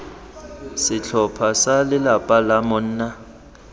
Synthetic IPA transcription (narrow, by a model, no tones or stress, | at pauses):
sɪt͡ɬʰɔpʰasalɪlapʼalamʊn̩ːna